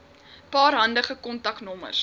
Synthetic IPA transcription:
pɑːɾɦɐndəχəkɔntɐknɔmə̰rs

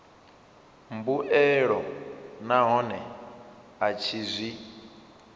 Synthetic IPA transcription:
mbuʔɛɺɔnaɦɔnɛ | at͡ʃʰizʷi

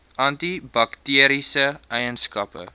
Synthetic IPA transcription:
ʔɐntibɐktiəɾisəʔɛjənskɐpə̰

